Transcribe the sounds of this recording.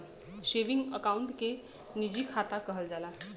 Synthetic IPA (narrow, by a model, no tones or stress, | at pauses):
ʃeʋiŋɡəkauɳʈke | nid͡ʑikʰat̪akəɦəld͡ʒala